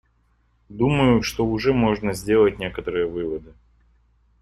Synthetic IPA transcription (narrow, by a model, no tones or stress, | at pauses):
d̪uməjʊʂt̪oʊʐɛmo̞ʐnəzʲdʲe̞lˠət̚ʲnʲe̞kət̪əɾɨjəvɨvəd̪ɨ